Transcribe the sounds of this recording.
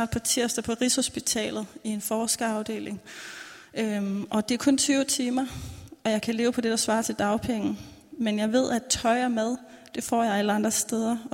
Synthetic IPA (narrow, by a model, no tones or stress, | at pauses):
d̥̚pʰɑt͡sʰiɐ̰sd̥ɐpʰɒ̽ʁisho̝sb̥it͡sʰɛ̰ːlð̞̩ˠie̝nfɒːsɡ̥ɐɑ̈ʊd̥e̝̰ːlʔe̝ŋ | øʔɒ̽d̥e̝æɐkʰɔ̽nt͡sʰyːʊt͡sʰimɐɒ̽jɑ̈ɪkʰæle̝ːʊpʰɒ̽d̥e̝d̥ɑ̈sʋɑ̰̈ːt͡sʰeld̥ɑ̈ʊpʰeŋn̩ | menjɑ̈ɪʋe̝ð̞̰ˠæt͡sʰɒ̽ɪɐmeð̞ˠ | d̥e̝fɒ̰ːjɑ̈ɪæləɑ̈nd̥ʁɐsd̥eːð̞ˠɐ